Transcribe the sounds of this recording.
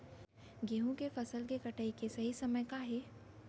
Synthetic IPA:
ɡeɦũkefɐsəlkekɐʈəikesɐɦisɐməjkaɦeː

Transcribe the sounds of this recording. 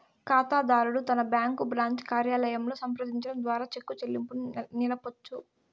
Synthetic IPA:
kaːt̪aːd̪aːɾuɽut̪ɐnɐbjaːŋkubɾaːɲt͡ʃkaːɾjaːlɐjɐmlo̞ːsɐmpɾɐd̪iɲt͡ʃɐɽɐmd̪ʋaːɾaːt͡ʃe̞kːut͡ʃelːimpunilɐpot͡ʃːu

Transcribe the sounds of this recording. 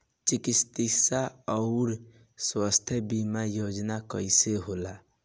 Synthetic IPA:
t͡ʃikist̪isaɔʊɾ | swast̪ʰjəbimajod͡ʒnakəjseɦola

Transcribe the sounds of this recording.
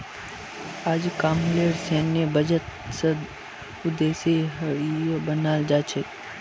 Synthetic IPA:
aːd͡ʒkaːmleːseːnjəbəd͡ʒət̪səd̪ | ʊd̪eːse | bənaːld͡ʒaːt͡ʃʰe

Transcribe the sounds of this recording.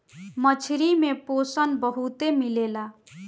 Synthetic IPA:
mət͡ʃʰiɾimeposənbəɦut̪emilela

